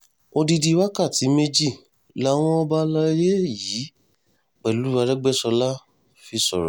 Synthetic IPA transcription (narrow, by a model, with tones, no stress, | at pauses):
o˧di˧di˧wa˦ka˦˨ti˨˦me˧d͡ʒi˦˨ | la˦w̃ɔ̃˦ɔ˦ba˦la˧i˧ɾe˦jiː˨˦ | k͡pɛ˨lu˨˦ɾa˧ɾɛ˦ɡ͡bɛ˦˨sɔ˧la˦ | fi˧sɔ̰˨ɾɔ̰˨